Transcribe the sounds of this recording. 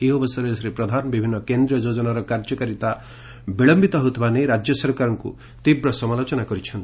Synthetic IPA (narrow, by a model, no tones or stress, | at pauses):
eɦobɔsɔɾed͡ʒɔsɾepɾɔd̪ʱanbibʱinːɔkend̪ɾiɔd͡ʒod͡ʒɔnaɾɔkaɾd͡ʒɔkaɾit̪a | biɭɔmbit̪ɔɦot̪ʰbaneɾad͡ʒjɔsɔɾkaɾɔŋkṵ | t̪ibɾɔsɔmalot͡ʃɔnakɔɾit͡ʃʰɔnt̪i̥